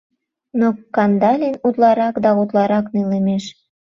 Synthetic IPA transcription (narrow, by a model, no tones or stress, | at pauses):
nokɑnd̪ɑlʲenut̪lˠɑɾɑkd̪ɑut̪lɑɾɑknilemeʃ